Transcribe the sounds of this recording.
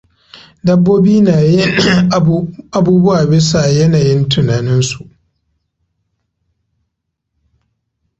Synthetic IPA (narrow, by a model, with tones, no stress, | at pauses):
dɐ˦bːoː˦biː˦naː˨jɪ˦ | ʔa˨buː˦bʊ˦waː˨bɪ˦sa˨jɐ˦naː˨jɪ˦ntʰʊ˨naː˨nɪ˦nsu˨ʔ